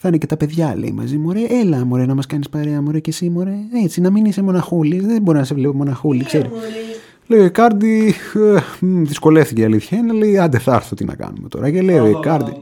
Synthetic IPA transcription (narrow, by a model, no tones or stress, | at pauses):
θɐnece̞t̪ɐpe̞ðʝɐle̞̰ḭmɐ̰zimoɾeʔelɐmoɾenɐmɐskɐnispɐɾeɐmoɾecesimoɾe̞et͡sinɐminisemo̞nɐxuliðeboɾinɐse̞vlepomo̞nɐxulikse̞ɾis | leoikɐɾd̪ieðisko̞le̞fθiceɐliθçɐinele̞iɐnd̪eθɐ̰ɾθot̪inʔɐ̰kɐ̰nume̞t̪o̞̰ɾɐceleoekɐɾd̪i